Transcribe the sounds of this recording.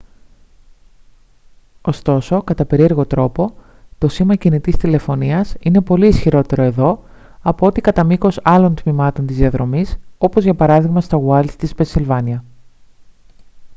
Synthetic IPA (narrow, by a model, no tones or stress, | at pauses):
o̞st̪o̞so̞kɐt̪ɐpe̞ɾie̞ɾɣo̞t̪ɾo̞po̞ | t̪o̞simɐcinit̪ist̪ile̞fo̞niɐsine̞po̞liːsçiɾo̞t̪e̞ɾo̞e̞ðo̞ | ɐpoo̞t̪ikɐt̪ɐmiko̞sɐlo̞nt̪mimɐt̪o̞nt̪izðiɐðɾo̞miso̞po̞zʝɐpɐɾɐðiɣmɐst̪oɣwɐlt̪ispensilvɐniɐ